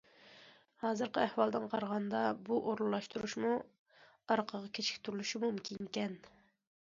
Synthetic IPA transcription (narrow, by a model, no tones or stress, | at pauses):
hɑːzɨɾqəæhwɑlˠd̪ɨnqʰɑɾʁɑnd̪ɑbuʔoɾlˠlˠɑʃt̪uɾuʃmu | ɑɾqʰəʁɑkʲʰet͡ʃʰɪ̥kʲt̪ʰyɾulˠuʃimumkʲʰiŋkʲɛn